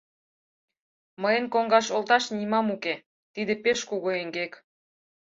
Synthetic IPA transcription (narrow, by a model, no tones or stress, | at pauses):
məjenkoŋɡɑʃolt̪ɑʃnimɑmuke | t̪id̪epeʃkuɣoeŋɡek